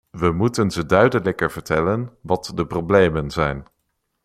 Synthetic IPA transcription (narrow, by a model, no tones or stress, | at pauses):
ʋəmutənzədœɥdələkəɹvəɹtɛlənʋɑtdəproblejmənzɛjn